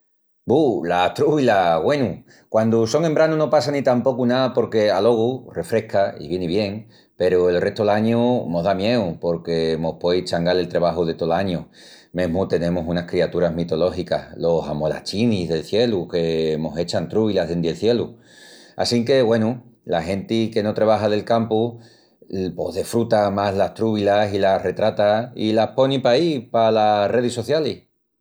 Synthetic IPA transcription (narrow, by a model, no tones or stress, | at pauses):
bulat̪ɾuβilaɣwe̞nu | kwand̪uso̞ŋe̞mbɾanuno̞pasanit̪ampo̞kunapo̞ɾke̞alo̞ɣ̞ure̞fɾe̞hkaḭβjeniβ̞je̞ŋ | pe̞ɾue̞lre̞ht̪oelaɲuno̞ɦðamje̞upo̞ɾke̞mo̞hpwo̞jt͡ʃaŋɡale̞lt̪ɾeβ̞aɦuð̞e̞t̪o̞laɲu | mẽ̞ɦmut̪e̞nẽ̞musunahkɾiat̪uɾaɦmit̪o̞lo̞hikahlo̞samo̞la̰t͡ʃinizðe̞lθje̞luke̞mo̞se̞t͡ʃant̪ɾuβilaɦðend̪elθje̞lu | a̰siŋke̞ɣwe̞nulaɦe̞nt̪ike̞no̞t̪ɾeβ̞aɦaðe̞lkampu | po̞̰ɦðefɾut̪amaɦlaht̪ɾuβ̞ilasilare̞t̪ɾat̪aḭlapo̞nipaipalare̞ð̞iso̞θjalis